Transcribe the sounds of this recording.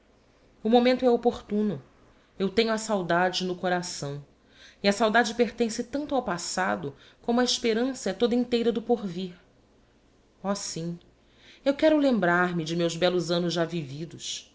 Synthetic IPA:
ʊmomẽnt̪ʊɛopoχt̪ũnʊ | ewt̪ẽɲʊɐsawd̪ad͡ʒɪnʊkoɾasɐ̃w̃ | iɐsawd̪ad͡ʒɪpeχt̪ẽsɪt̪ɐ̃nt̪ʊawpasad̪ʊ | kõmʊɐiʃpeɾɐ̃sɐɛt̪od̪ɐĩt̪ejɾɐd̪ʊpoɾviɾ | ɔsĩ | ewkɛɾʊlẽmbɾaɾmɪd͡ʒɪmewzbɛlʊzɐ̃nʊzʒavivid̪ʊs

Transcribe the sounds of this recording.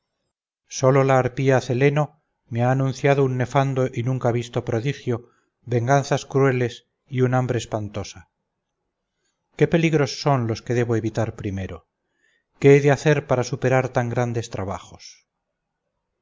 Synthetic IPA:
so̞lo̞laːɾpiaθe̞le̞no̞ | meaːnũnθjaðounːe̞fand̪o̞ʔinũŋkaβ̞ist̪o̞pɾo̞ðixjo̞ | βe̞ŋɡanθaskɾue̞le̞s | iunambɾe̞ːspant̪o̞sa | ke̞pe̞liɣɾo̞sːo̞nlo̞ske̞ðe̞βoe̞βit̪aɾpɾime̞ɾo̞ | ke̞eðeaθe̞ɾpaɾasupe̞ɾaɾt̪aŋɡɾand̪e̞st̪ɾaβ̞a̰χo̞s

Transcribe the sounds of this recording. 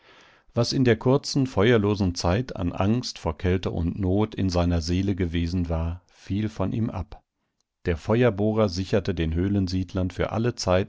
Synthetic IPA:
v̥asɪndeːɐkʰʊɐt͡sn̩fɔʏɐloːzn̩t͡saɪtʰa̰nʔa̰ŋstfoːɐkʰɛltəʔʊ̰ntnoːtʰɪ̰nzaɪnɐzeːləɡəveːzn̩vaːɐ | fiːlfɔnʔḭːmʔa̰p | d̥eːɐfɔʏɐboːʁɐzɪçɐtədeːnɦøːlənziːdlɐnfyːɐʔa̰lət͡saɪt

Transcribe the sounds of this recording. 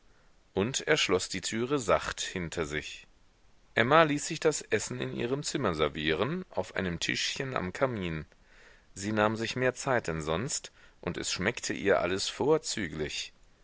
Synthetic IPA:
ʔʊntʔeːɐʃlɔsd̥iːtʰyːʁəzaχthɪntʰɐzɪç | ʔɛmaliːsz̥ɪçd̥asʔɛsn̩ɪ̰nʔḭːʁəmt͡sɪmɐzɛɐviːʁ̞ənʔa̰ʊfʔa̰ɪnəmtʰɪ̰ʃçəna̰mkʰamiːn | ziːnaːmzɪçmeːɐt͡saɪt̚d̥ɛnzɔnstʔʊntɛ̰sʃmɛktʰəʔḭːɐʔa̰ləsfoːɐt͡syːɡlɪç

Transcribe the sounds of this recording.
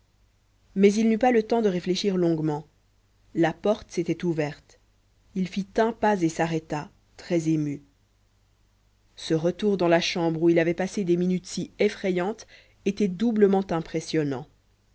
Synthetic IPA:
mɛzilnypalət̪ɑ̃d̪əʁefleʃiʁlɔ̃ɡmɑ̃ | lapɔʁt̪əset̪ɛt̪uvɛʁt̪ | ilfit̪ɛ̃pazesaʁɛt̪a | t̪χɛzemy | səʁət̪uʁd̪ɑ̃laʃɑ̃bʁuilavɛpased̪eminyt̪siefχɛjɑ̃t̪ | et̪ɛd̪ubləmɑ̃t̪ɛ̃pχesjɔnɑ̰̃

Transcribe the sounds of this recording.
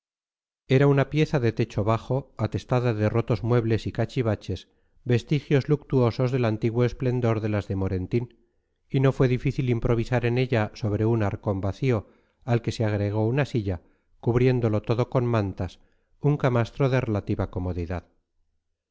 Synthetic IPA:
e̞ɾaunapje̞θaðe̞t̪e̞t͡ʃo̞βaχo̞at̪e̞st̪aðaðero̞t̪o̞zmwe̞βle̞sikat͡ʃiβat͡ʃe̞s | be̞st̪ixjo̞zluk̚t̪uo̞so̞zðe̞lant̪iɣwoesple̞nd̪o̞ɾðe̞lazðe̞mo̞ɾe̞nt̪in | ino̞fwe̞ðifiθilimpɾo̞β̞isaɾe̞ne̞ʎaso̞βɾe̞unaɾko̞mbaθio̞ | alke̞seaɣ̞ɾe̞ɣ̞o̞unasiʎa | kuβɾje̞nd̪o̞lo̞t̪o̞ðo̞ko̞nmãnt̪as | uŋkamast̪ɾo̞ðe̞re̞lat̪iβako̞mo̞ðiðað

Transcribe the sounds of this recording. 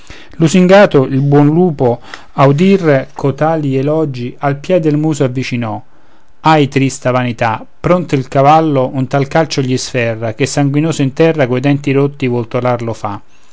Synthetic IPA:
lusiŋɡaːt̪ʊʔilbwɔnluːpo | aud̪irkʰot̪aːlielɔd͡ʒialpjɛd̪elmuːsoavːit͡ʃinɔ | ajt̪ɾist̪avanit̪a | pːɾont̪ilkavalːoʔunt̪alkalt͡ʃoʎːisfɛrːak̟esːaŋɡwinoːsʊint̪ɛrːakoed̪ɛnt̪iɾot̪ːivɔlt̪olaɾlofa

